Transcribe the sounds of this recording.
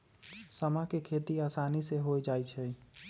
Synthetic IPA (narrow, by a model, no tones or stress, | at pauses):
səmakekʰet̪iasaniseɦoed͡ʒajt͡ʃʰɛ